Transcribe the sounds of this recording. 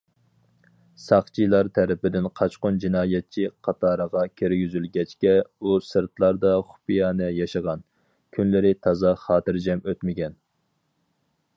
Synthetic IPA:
sɑχt͡ʃʰilˠɑɾt̪ʰæɾɪpɪd̪ɪnqʰɑt͡ʃqʊnd͡ʒinɑːjɛt̪̚t͡ʃʰiqʰɑt̪ʰɑːɾəʁɑkʲʰiɾɡʲyzylɡʲɛt͡ʃkʲɛusɨɾt̪lˠɑɾd̪ɑχʊ̥pʰijɑːnɛjɑʃəʁɑn | kʲʰynlɪɾɪt̪ʰɑzɑχɑːt̪ɨɾd͡ʒɛmøt̪mɪɡʲɛn

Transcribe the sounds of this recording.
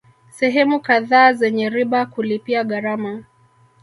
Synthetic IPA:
sɛɦɛmukaðaːzɛɲɛɾiɓakulipiaɠaɾama

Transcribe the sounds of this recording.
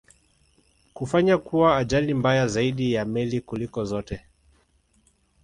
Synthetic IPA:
kufaɲakuwaːʄalimbajazaiɗijamɛlikulikɔzɔtɛ

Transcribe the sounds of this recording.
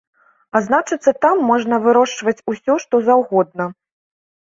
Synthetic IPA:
aznat͡ʂɨt̪sːɐt̪amːɔʐnɐvɨɾɔʂt͡ʂvɐt͡sʲusʲɔʂt̪ɔzawɣɔd̪̚nɐ

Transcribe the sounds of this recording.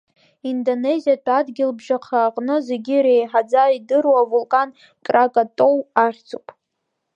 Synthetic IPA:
indone̞zijatʰʼadɡʲɪlbʒaqʰaːqʼnɨze̞ɡʲiɾejħad͡zaidɨrwavulkʼan | kʼrakʼatʼo̞waχʲt͡sʰupʼ

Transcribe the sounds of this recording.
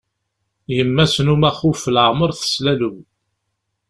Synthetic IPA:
jəmːæsnumæχufəlʕməɾθə̥slæluw

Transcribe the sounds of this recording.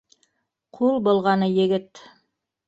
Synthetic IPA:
qʰulˠbŏlˠʁɑnɤjɘ̆ɡɘt̪

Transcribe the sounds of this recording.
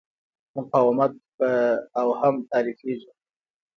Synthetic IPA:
mʊqɑːwamat̪̚pəawhamt̪ɑːɾifeʒi

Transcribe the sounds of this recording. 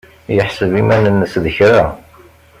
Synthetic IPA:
jəħsəvimænənːəsðəçɾa

